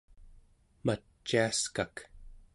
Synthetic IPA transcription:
mat͡ʃːiaskak

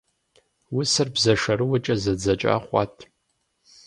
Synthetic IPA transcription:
wʊsɨrbzɐʂɐɾɨwɐt͡ʃʼɐzɐd͡zɐt͡ʃʼa̰ːχʷɑ̰tʰ

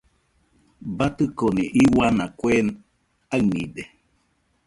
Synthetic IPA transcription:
bat̪ɨkoniʔiwanakʷen | aɨnḭ̃d̪e

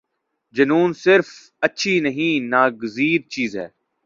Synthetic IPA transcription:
d͡ʒɐnuːnsɪɾf | ɐtːʃʰinɐɦĩnaːɡəziːɾ̚t͡ʃiːzɦɛ̰ː

